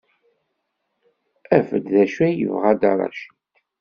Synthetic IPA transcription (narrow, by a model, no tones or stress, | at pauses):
æfə̰d̪ðæʃæjə̰vʁæd̪ɑ̰ɾˤɑ̰ʃit̪